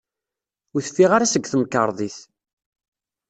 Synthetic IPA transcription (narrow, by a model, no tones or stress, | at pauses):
ʊɾθə̥fːiʁaɾasəɡːθəmkːəɾˤðˤiθ